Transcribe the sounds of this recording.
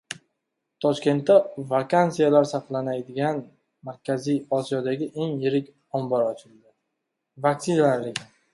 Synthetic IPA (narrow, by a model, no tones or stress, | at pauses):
t̪ʰɒʃkʲe̞nt̪ːavakʰant̪sijalaɾsɑqlˠanajd̪ɪɡʲan | maɾkʲazijɒsijɒd̪aɡʲɪʔe̞ŋjɪɾɪkʲ | ɒmbɒɾɒt͡ʃʰɪld̪ɪ | vaksɪnalaɾlɪɡʲɪ